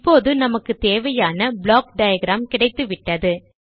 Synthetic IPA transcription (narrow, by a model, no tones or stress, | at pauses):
pːoːðɯnɐmɐkːɯt̪eːʋɐjaːnɐbɭoːk̚ɖɐjɐɡɪɾaːmkɪɽɐɪt̪ːɯʋɪʈːɐðɯ